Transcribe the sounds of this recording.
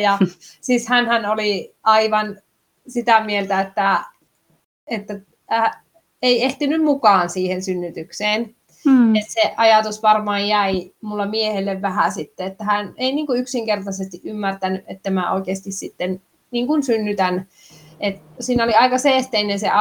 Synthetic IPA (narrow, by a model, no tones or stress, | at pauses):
jɑsiːshænhænoliɑiʋɑn | sit̪æmielt̪æet̪ːæ | et̪ːæ | eieht̪inymmukɑːnsiːhensynːyt̪ykseːn | et̪seʔɑjɑt̪usʋɑrmɑːjjæimulːɑmiehelːeʋʋæhæsit̪ːeet̪ːæhæneiniːŋkuyksiŋkert̪ɑsest̪iʔʔymːært̪ænyʔʔet̪ːæmæo̰ikeːst̪issit̪ːen | niːŋkunsynːyt̪æn | ʔet̪siːnoliɑikɑseːht̪einenseʔɑ